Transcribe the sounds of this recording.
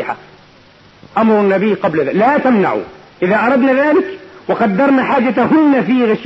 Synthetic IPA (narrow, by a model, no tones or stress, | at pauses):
ħa̰ | ʔamɾˤʊnːabiːqɑblaðalaːt̪amna̰ʕṵ | ʔɪðaʔɑɾˤɑd̪naðaːlɪkwɪqɑd̪ːɑɾˤnaħaːd͡ʒat̪ɦʊnːafiːɣɪʃ